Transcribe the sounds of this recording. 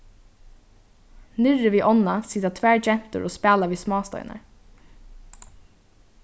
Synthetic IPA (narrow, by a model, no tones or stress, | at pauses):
nɪɹəʋiːʔɔnasiːt̪at̪ʰʋæːɹd͡ʒɛm̥t̪ə̰ɹʔoːspæːlaʋiːsmɑːst̪œ̰ʏnʔə̰